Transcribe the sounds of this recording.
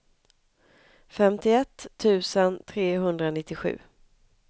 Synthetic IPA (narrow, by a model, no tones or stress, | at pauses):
fɛmt̪ɪɛt̪ʰːʉ̟ːsənt̪ʰɾeːɦɵnd̪ɾanɪt̪ːɪɧʉ̟̰ː